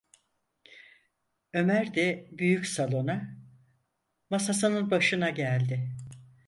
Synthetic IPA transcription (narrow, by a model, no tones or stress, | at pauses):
ø̞mæɾd̪ɛbyjycsalˠo̞na | masas̬ɯnɯnbaʃɯnaɟælʲd̪ɪ